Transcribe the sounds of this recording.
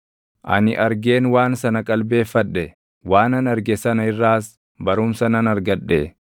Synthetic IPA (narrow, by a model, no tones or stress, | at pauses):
ʔɐ̰nɪʔɐɾɡe̞ːnwaːnsɐnɐkʼɐlbe̞ːfːɐᶑɛ | waːnɐnɐɾɡɛsɐnɐɪrːaːs | bɐɾʊmsɐnɐnɐɾɡɐᶑːeː